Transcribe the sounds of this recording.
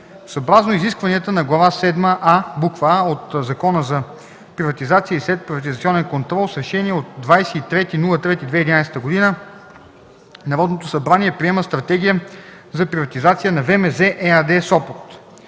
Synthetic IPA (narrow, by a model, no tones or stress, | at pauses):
sɐːbɾaznoiziskvɐniət̪ənɐɡlˠɐvasɛd̪məʔabukvəaot̪zɐkɔnəzɐ | pɾivɐt̪izat̪siəislɛt̪̚pɾivɐt̪̬izɐt̪siɔnɛnkont̪ɾɔlˠsɾɛʃɛniɛot̪̚d̪vajsɛit̪ɾɛt̪inulˠət̪ɾɛt̪id̪vɛid̪inajsɛ̥t̪əɡod̪inə | nɐɾɔd̪not̪osɐbɾaniɛpɾʲiɛməst̪ɾɐt̪ɛɡ̟ijə | zɐpɾivɐt̪izat̪sijənɐvɛmɛzɛʔɛad̪ɛsɔpoɾt̪